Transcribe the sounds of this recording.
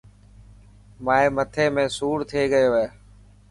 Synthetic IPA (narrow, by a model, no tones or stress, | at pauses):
maːeːmət̪ʰeːmẽːsuːɽt̪ʰeːɡəjoːeː